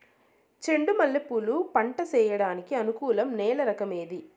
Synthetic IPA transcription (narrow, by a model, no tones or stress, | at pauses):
t͡ʃe̞ɳɖumɐlːɐpːulupɐɳʈɐt͡ʃɛːjɐɽaːnikiɐnukuːlɐmnɛːlɐɾɐkɐmeːd̪i